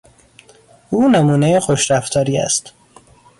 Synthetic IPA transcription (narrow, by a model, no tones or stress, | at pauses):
ʔuːnemuːnejexoʃɾæft̪ʰɒːɾiːæ̰st̪